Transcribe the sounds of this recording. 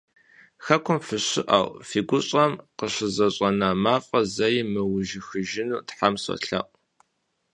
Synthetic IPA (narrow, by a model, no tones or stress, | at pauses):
xɐkʷʰʊmfɨɕɪ̰ʔɐ̰wfiːɡʷʊɕʼɐmqəɕɪzɐɕʼɐnamaːfʼɐzɐjɪmɨwʊʒɪxɨʒɪnuːtħamsɐ̰ɬɐ̰ʔʷʼ